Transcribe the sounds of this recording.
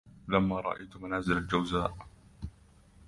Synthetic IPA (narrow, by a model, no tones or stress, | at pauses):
lamːaːɾˤɑ̰ʔa̰jt̪manaːzɪlald͡ʒawzaːʔ